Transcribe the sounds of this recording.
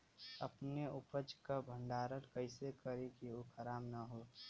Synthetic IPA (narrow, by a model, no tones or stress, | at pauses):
əpneʊpəd͡ʒkabʱə̃ɳɖaːɾəɾkəɪsekəɾikiokʰəɾaːmnəɦo